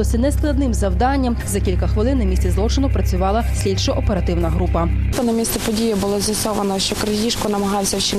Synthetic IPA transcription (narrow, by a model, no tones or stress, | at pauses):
ɔsʲɐnɛsklˠɐd̪nɪmzɐwd̪ɑnʲːɐmzɐkʲilʲkɐxʋɪlˠɪnːɐmʲisʲt͡sʲizlˠɔt͡ʃɪnʊpɾɐt͡sʲʊʋɑlˠɐsʲlʲidʲʃɐʔɔpeɾɐt̪ɪwnɐɦɾupɐt̪ɔnɐmʲisɛpɔdʲijibʊlˠɔzʲjɐsɔʋɐnɔʃt͡ʃɔkɾɐjʲiʃkɔnɐmɐɦɑwsʲɐwʃi